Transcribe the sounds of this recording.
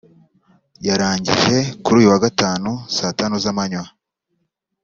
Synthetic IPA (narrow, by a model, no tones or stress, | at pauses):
jaɾaːɲɟḭʒe̞kuɾuːjuwaɡataːnusatanuzamaɲwa